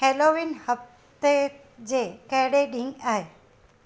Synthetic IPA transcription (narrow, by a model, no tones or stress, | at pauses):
heːloːʋinhɐf | t̪e | d͡ʑeːkɐɦɪɽeɗĩŋɡaːɦeː